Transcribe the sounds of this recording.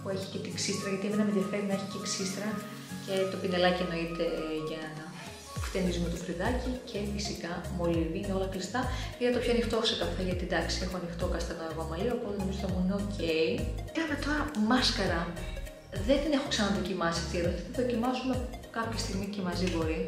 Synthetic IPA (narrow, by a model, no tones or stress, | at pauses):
pue̞çi̥ce̞t̪iksist̪ɾɐʝɐt̪iemenɐmeðjɐfe̞ɾinɐeçi̥ceksist̪ɾɐ | ce̞t̪o̞pine̞lɐcieno̞it̪e̞ʝɐnɐ | ft̪e̞nizumet̪ofɾiðɐcicʰe̞fisikɐmo̞liviineo̞lɐklist̪ɐiðɐt̪opçoɐnixt̪o̞sekɐfeʝɐt̪id̪ɐksie̞xoɐnixt̪okɐst̪ɐnoeɣomɐliɐpozenomizot̪emuneocʰe̞iɐnɐt̪o̞ɾɐmɐskɐɾɐ | ðe̞nd̪ine̞xoksɐnɐɐðo̞cimɐsiɐft̪ieðot̪iθɐðo̞cimɐsunɐpkɐpçɐst̪iɣmice̞mɐzibo̞ɾi